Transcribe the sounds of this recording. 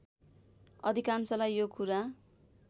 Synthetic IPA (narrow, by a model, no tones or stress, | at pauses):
ʌd̪ʱikansʌlajjokuɾa